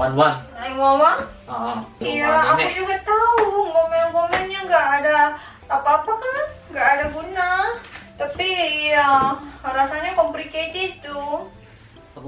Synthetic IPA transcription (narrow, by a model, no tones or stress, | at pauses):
aimawa | iaakud͡ʒuɡat̪auŋkɔmɛaŋkomɛnɲaŋɡaʔːdaː | paːpakanŋɡaʔːdaɡunat̪apijaɾasaɲakɔmpliket̪it̪u